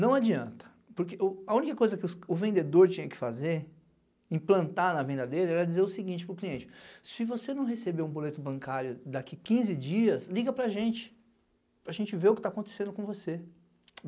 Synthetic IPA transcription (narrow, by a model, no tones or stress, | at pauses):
nɐ̃w̃ad͡ʒiɐ̃nt̪ɐ̥ | poɾkeʊɐũnikɐkojzɐkɪʊʊvẽnd̪ed̪oɾt͡ʃĩɲɐkɪ̥fazeɾ | ĩplɐ̃nt̪anɐvẽnd̪ɐd̪elɪɛɾɐd͡ʒizeɾʊsɪɡĩnt͡ʃɪpɾʊkliẽnt͡ʃɪ̥sɪvosenɐ̃w̃ɦesebeɾũbolet̪ʊbɐ̃ŋkaɾjʊd̪akikĩzɪd͡ʒiɐsliɡɐpɾaʒẽnt͡ʃɪ̥ | pɾɐʒẽnt͡ʃɪveʊkɪt̪akõnt̪e̥sẽnd̪ʊkõvose